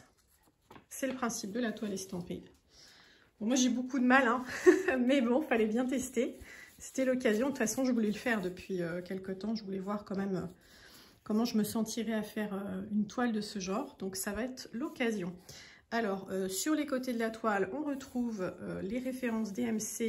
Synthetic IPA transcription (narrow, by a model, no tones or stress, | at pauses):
sɛləpχɛ̃sip̚d̪əlat̪walest̪ɑ̃pḭd̪ | bɔ̃mwaʒebokud̪əmalɛ̃mɛbɔ̃falɛbjɛ̃t̪ɛst̪ese̥t̪ɛlɔkazjɔ̃d̪əfasɔ̃ʒəvulɛləfɛʁd̪əpɥiøkʲɛlkət̪ɑ̃ʒəvulɛvwaʁkɑ̃mɛmø | kɔmɑ̃ʒəməsɑ̃t̪ʰiʁɛafɛʁøynt̪wald̪əsəʒɑ̃ːʁd̪ɔ̃ksavaɛt̪χlɔkʲazjɔ̃ | alɔʁøsyʁlekot̪ed̪əlat̪walɔ̃ʁət̪χuvøleʁefeʁɑ̃sd̪eɛmse